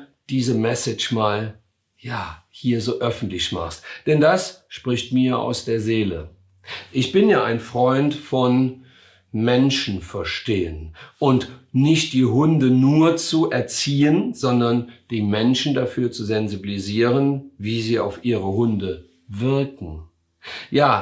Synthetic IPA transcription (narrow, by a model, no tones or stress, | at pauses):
d̥iːzəmɛsɪt͡ʃmaːl | jaːhiːɐzoːʔœfn̩tlɪçma̰χstd̥ɛndasʃpʁ̥ɪçtmiːɐʔa̰ʊsd̥eːɐzeːlə̰ | ʔɪçb̥ɪnjaːaɪnfʁ̥ɔʏntfɔn | mɛnʃn̩fɛɐʃteːənʔʊntnɪçt̚d̥iːɦʊndənuːɐt͡suʔɛɐt͡siːənz̥ɔndɐnd̥iːmɛnʃn̩dafyːɐt͡suzɛnzibiliziːʁənviːziːa̰ʊfʔiːʁəɦʊndə | vɪɐkŋ̩ | jaː